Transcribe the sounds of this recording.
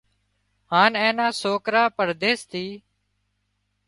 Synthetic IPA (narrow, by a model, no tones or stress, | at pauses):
haːnẽːnaːsoːkɾaːpəɾd̪eːst̪ʰiː